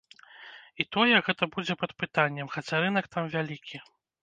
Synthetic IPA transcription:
it̪ɔjɛɣɛt̪ɐbud͡zʲɛpɐt̪pɨt̪anʲːɛmxɐt͡sʲaɾɨnɐkt̪amvʲalʲikʲi

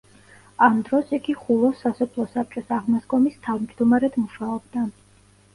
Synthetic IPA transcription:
amd̪ɾɔsiɡiχulˠɔsasɔpʰlˠɔsap̚t͡ʃʼɔsaʁmasɡɔmist̪ʰavmd͡ʒd̪umaɾɛd̪muʃaɔbd̪a

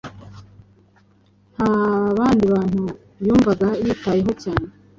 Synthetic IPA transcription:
haβaːndiβaːn̥hu | βjuːɱvaɡajitajeɦo̞caːne

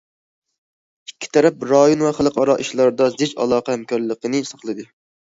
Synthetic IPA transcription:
ikʲʰːi̥t̪ʰɛɾɛp̚ɾɑjonvɛχælˠəqʰɑɾɑʔiʃlˠɑɾd̪ɑzɪt͡ʃɑ̰lˠɑːqɛhæmkʰɑɾlˠəqənɨsɑχlˠɨd̪ɨ

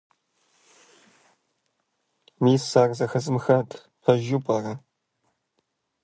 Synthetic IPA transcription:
miːsaːrzɐxɐzɨmxɐtʰʼ | pʰɐʒupʼarɐ

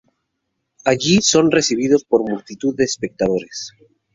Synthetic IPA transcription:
aʝiso̞nre̞siβ̞iðo̞spo̞ɾmult̪it̪uððe̞ːspe̞k̚t̪aðo̞ɾes

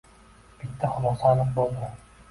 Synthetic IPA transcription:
b̥it̪ːæχʊlˠɑsɑlˠəq̚bolˠd̪ʊ

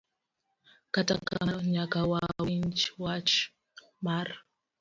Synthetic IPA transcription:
katakaɲakawawint͡ʃwat͡ʃ | maɾ

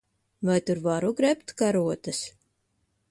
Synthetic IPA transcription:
vajt̪uɾvaɾuɡɾɛpt̪kaɾuɔt̪ɨs

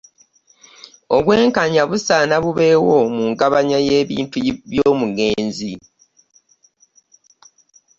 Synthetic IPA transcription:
o̞βwe̞ːŋkaɲaβusaːnaβuβe̞ːwomuːŋɡaβaɲaje̞ːβḭːntuβjoːmuɡe̞ːnzi

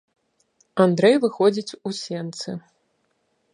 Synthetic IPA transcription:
and̪ɾɛjvɨxɔd͡zʲit͡sʲusʲɛnt̪sɨ

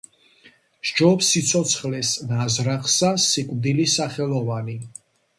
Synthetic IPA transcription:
ʒ̥d͡ʒɔpsit̪sʰɔt̪sʰχlɛsnazɾaχsasikʼvd̪ilisaχɛlˠɔvani

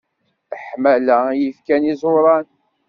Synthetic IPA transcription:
əħmælæjəfkænizˤoɾˤɑn

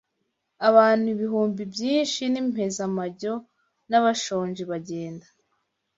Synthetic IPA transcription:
aβaːn̥huiβiɦuːmbibjiːnʃinim̥he̞zamaɟo̞ | naβaʃo̞ːɲʒiβaɟe̞ːnda

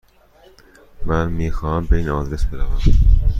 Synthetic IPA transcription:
mænmiːxɒːhæmbeiːnɒːd̪ɾe̞sbe̞ɾævæm

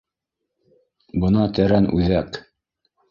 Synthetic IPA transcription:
bɤ̆nɑt̪æɾænʉ̰ðæk

